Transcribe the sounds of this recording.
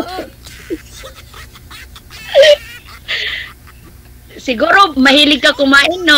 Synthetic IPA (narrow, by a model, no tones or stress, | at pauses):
sɪɡuɾomahiːlɪɡ̚kakomaɪno